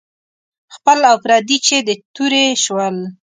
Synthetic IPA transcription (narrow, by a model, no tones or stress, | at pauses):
xpəlafɾɑd̪it͡ʃed̪ət̪uɾeʃwəl